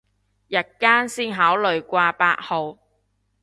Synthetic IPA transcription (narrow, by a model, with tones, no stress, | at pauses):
jɐ˨˩t̚kaː˥nsiː˥nɦaː˨˥wlɵ˨ɥkʷaː˧paː˧t̚ho˨˧w